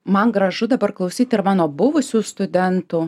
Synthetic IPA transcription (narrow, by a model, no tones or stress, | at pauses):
mɐnɡɾɐʒʊd̪ɐbɐɾklˠɐʊsʲiːt̪ɪɾmɑːnoːbʊʋʊsʲuːst̪ʊd̪ʲɛnt̪ʊː